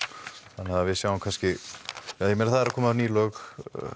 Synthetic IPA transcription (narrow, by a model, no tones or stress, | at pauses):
hanːhaðavɪðsjawamkʰanscɪajɛmɛnɾθaðɛɾakʰɔːmaniːlœx